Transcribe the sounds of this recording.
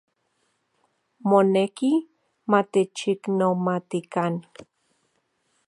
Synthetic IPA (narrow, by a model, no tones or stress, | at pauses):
moneki | mat̪et͡ʃiknomat̪ikan